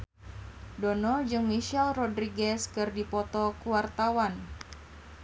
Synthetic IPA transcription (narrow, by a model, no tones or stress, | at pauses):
dɔnɔd͡ʒɨŋmiʃɛlrɔdɾiɡɛskɨrdipɔt̪ɔkuwart̪awan